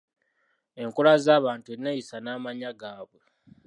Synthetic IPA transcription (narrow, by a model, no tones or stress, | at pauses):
e̞ŋkulazaːβaːntue̞nːajisanaːmaɲaɡaːβwe